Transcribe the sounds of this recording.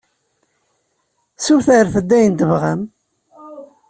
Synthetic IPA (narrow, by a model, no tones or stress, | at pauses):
suθəɾθəd̪ːæjənt̪əvʁæm